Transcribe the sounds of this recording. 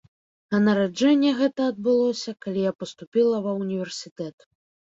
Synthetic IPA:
ɐnɐɾad͡ʐɛnʲːɛɣɛt̪ɐɐd̪̚bɨlˠɔsʲɐkalʲijapɐst̪upʲilˠɐvɐunʲivʲɛrsʲit̪ɛt̪

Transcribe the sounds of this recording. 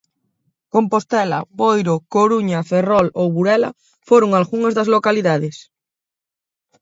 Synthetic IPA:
kompost̪ɛla̰bojɾokoɾuɲaferɔlowβuɾɛla̰ | foɾoŋalɣuŋazðazlokaliðaðes

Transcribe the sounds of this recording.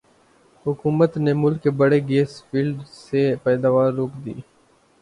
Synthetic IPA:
ɦʊkuːmət̪nemʊlkːebəɽeɡeːsfiːlɖsepɛːd̪aːʋaːɾːoːkd̪ḭː

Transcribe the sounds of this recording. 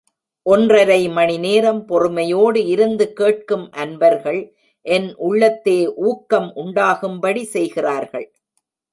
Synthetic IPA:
ʔɔndrɐɾɐɪmɐnɪneːɾɐmpɔrɯmɐjoːɽɯɪɾɯnd̪ɯkeːʈ̚kɯmʔɐnbɐɾɣɐɭ | ʔɛnʔʊɭːɐt̪ːeːʔuːkːɐmʔʊɳɖaːɣɯmbɐɽisɛjɣɪraːɾɣɐ̰ɭ

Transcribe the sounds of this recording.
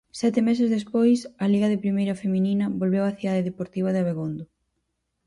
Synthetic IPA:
sɛt̪ɪmɛs̬ɪzðespojsɐliɣɐðɪpɾimejɾɐfemininɐβolβewɐθiðaðeðepoɾt̪iβ̞ɐðeaβeɣond̪ʊ

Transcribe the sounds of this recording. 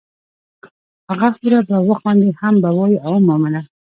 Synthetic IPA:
aʁafuɾabawɔχɔnd̪ihambawɔiaɔmɔmana

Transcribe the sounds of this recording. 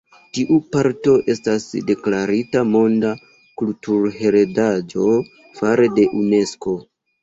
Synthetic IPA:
tiʔupaɾto̞ʔe̞stasde̞klaɾitamo̞nda | kultuɾhe̞ɾe̞dad͡ʒo̞ | faɾe̞de̞ʔune̞sko̞

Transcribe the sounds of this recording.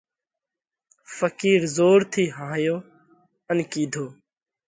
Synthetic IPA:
fəkiːɾzoːɾt̪ʰiːɦãːjoː | ənkiːd̪ʱoː

